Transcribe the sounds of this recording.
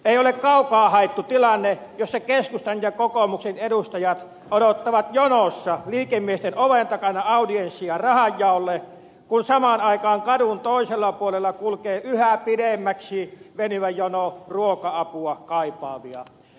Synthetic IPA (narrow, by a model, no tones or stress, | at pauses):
eˑiolekkɑˑukɑːhɑˑet̪ːut̪ilɑnːe | josːɑkeskust̪ɑnjɑkokomuksenedust̪ɑjɑt̪ | odot̪ːɑʋɑt̪jonosːɑliːkemːiest̪enoʋent̪ɑkɑnɑɑˑudiensːˑiɑrɑhɑjːɑˑolːe | kunsɑmɑnɑˑikɑːŋkɑdunt̪oˑiselːɑpuolelːɑkulkeːʔyhæpidemːæksiʋenyʋæjonoruokɑɑpuɑkɑˑipɑːʋiɑ̰